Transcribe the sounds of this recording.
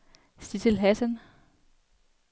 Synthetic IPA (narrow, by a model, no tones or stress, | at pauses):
sd̥it͡sʰelɦæsən